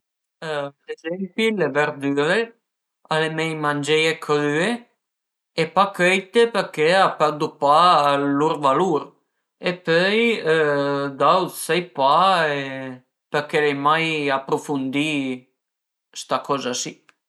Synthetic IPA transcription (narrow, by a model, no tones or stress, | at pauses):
ɾɛzɛmpilɛvɛɾd̪yɾe | alemɛjmand͡ʒɛjekʰɾye | ɛpakɛjt̪epɛɾkɛapɛɾd̪upaluɾvaluɾ | ɛpœj | d̪awsɛjpae | pɛɾkɛlɛjmajapɾɔfund̪i | st̪akʰɔzasi